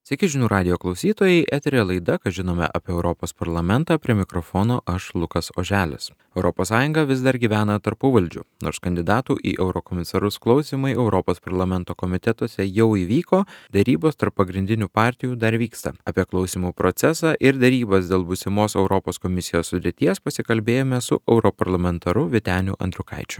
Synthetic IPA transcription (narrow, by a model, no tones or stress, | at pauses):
sʲɛkʲɪʒʲɪnuːɾɑːd̪ʲɪjoːklˠɒʊsʲiːt̪oːjɛɪʔɛt̪ʲɾʲelˠɐɪd̪ɐkɐtʒʲɪnoːmʲɛ̰ʔɐpʲiːɛʊɾɔpoːspɐɾlˠɐmʲɛnt̪ɑːpʲɾʲiɛmʲɪkɾofoːnoːʔɐʃlˠʊkɐso̰ːʒʲæːlʲʊ̰s | ɛʊɾʔɔpoːsːɑːjʊ̃ŋɡɐʋʲɪzd̪ɐɾɡʲiːʋʲæːnɐt̪ɐɾpʊʋɐlʲd͡ʒʲʊ̰noːɾskɐnʲd̪ʲɪd̪ɑːt̪uːʔḭːʔɛʊɾɔkɔmʲɪsɐɾʊsklˠɐʊsʲiːmɐɪɛʊɾɔpoːspɐɾlˠɐmʲɛnt̪oːkomʲɪt̪ʲɛt̪oɔsʲɛjɛʊiːʋʲiːkoːd̪ʲɛɾʲiːboːst̪ɐɾpːɐɡɾʲɪnd̪ʲɪnʲuːpɑːɾʲt̪ʲɪjuːd̪ɐɾʋʲiːkst̪ɐ̰ɑːpʲiɛklˠɒʊsʲiːmuːpɾot̪sʲɛsɑːʔɪɾd̪ʲɛɾʲiːbɐsd̪ʲeːlˠbʊsʲɪmoːsɛʊɾɔpoːskomʲɪsʲɪjoːsːʊd̪ʲɾʲɪt̪ʲiɛspɐsʲɪkɐlʲbʲeːjoːmʲɛsʊ̰ʔɛʊɾopɐɾlˠɐmʲɛnt̪ɐɾʊʋʲɪt̪ʲæːnʲʊ̰ʔɐ̰nd̪ʲɾʲʊkɐ̰ɪt͡ʃʲʊ̥